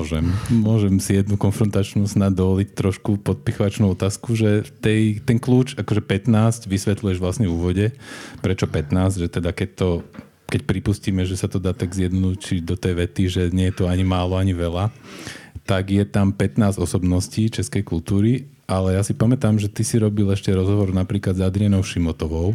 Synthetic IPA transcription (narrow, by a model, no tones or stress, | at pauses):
ʒɛmmʊɔʒɛmsijɛd̪nukɔnfɾɔnt̪at͡ʃnuːsnad̪ɔʋɔlict̪ɾɔʃkupɔt̪̚pixɔʋat͡ʃnuʊɔt̪aːskuʒɛt̪ɛjt̪ɛnkluːt͡ʃakɔʒɛpɛt̪naːsɟʋisʋɛt̪lujɛʒʋlasnɛjuːʋɔɟɛpɾɛt͡ʃɔpɛt̪naːzɟʒɛt̪ɛd̪akɛc̚t̪ɔ | kɛc̚pɾipusciːmɛʒɛsat̪ɔd̪aːt̪aɡzjɛd̪nɔd̪uːt͡ʃid̪ɔt̪ɛjʋɛt̪iʒɛɲɛjɛt̪uaɲimaːlɔaɲiʋɛla | t̪aɡjɛt̪ampɛt̪naːzɔsɔbnɔsciːt͡ʃɛskɛjkulˠt̪uːɾi | ʔalɛjasipamɛt̪aːmʒɛt̪isiɾɔbilɛʃcɛɾɔzɦɔʋɔɾnapɾiːklad̪zad̪ɾianɔʊʃimɔt̪ɔʋɔʊ